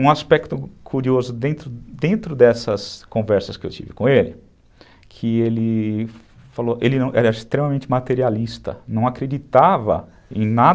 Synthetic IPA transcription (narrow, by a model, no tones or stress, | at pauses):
ũaspɛkt̪ʊkʰuɾiozʊd̪ẽnt̪ɾʊd̪ẽnt̪ɾʊd̪ɛsɐskõvɛɾsɐskɪḛwt͡ʃḭvɪ̰kõelɪ | kʰɪelɪ | faloʔelɪnɐ̃w̃ʔɛɾɐɪst̪ɾemɐmẽnt͡ʃɪmat̪eɾialist̪ɐ̰nɐ̃w̃akɾed͡ʒit̪avɐ̰ | ḛ̃j̃na